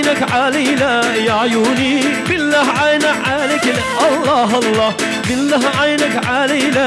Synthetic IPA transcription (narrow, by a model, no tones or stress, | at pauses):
nakʕalila | jaʕjuːniː | bɪlːahʕajnaʕalɪk | ʔɑlˤːɑːɦɑlːɑː | bɪlːaːɦʕajnakʕalila